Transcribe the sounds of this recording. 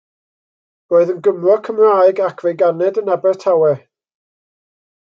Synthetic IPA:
roːɨðənɡəmlɔkʰəmrajɡakʰv̥ejɡanɛdənabɛrtʰawɛ

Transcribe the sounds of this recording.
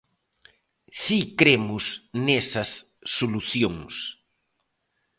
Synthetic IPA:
sikɾemʊsnesɐsː | oluθjoŋs

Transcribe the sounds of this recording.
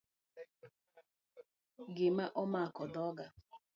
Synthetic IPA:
ɡɪmaʔɔmaakɔdɔɡa

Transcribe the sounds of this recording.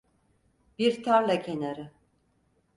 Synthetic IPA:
biɾt̪ʰaɾlʲacʰenaɾɪ

